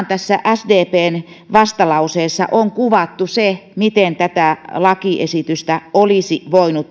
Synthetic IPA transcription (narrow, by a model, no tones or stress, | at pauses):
nt̪æsːæʔæsdeːpeːn | ʋɑst̪ɑlɑuseːsːɑ̰ʔoŋkuʋɑt̪ːusemit̪ent̪æt̪æˑlɑkiʔesit̪yst̪æolisiʋoinut̪